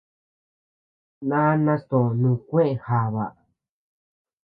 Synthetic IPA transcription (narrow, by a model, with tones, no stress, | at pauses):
nã˦nã˦st̪õ˨nũ˧kʷẽ˦ʔe˧ha˨βa̰˨